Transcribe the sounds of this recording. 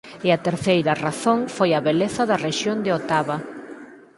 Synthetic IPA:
ɪɐt̪eɾθejɾɐraθõŋfojɐβeleθɐðɐreʃjond̪ɪot̪aβɐ

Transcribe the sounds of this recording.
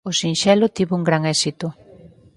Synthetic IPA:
osinʃɛlʊt̪iβʊuŋɡɾaŋɛsit̪ʊ

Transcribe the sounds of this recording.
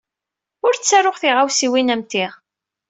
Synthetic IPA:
ʊɾt͡sːæɾoχθiʁawsiwinæmt̪iʁ

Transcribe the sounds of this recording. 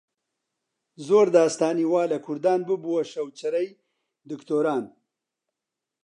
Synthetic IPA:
zoːɾd̪aːst̪aːniwaːlɐkʰuɾd̪aːnbubuwɐʃɐwt͡ʃɐɾɐj | d̪ukt̪oːɾɑːn

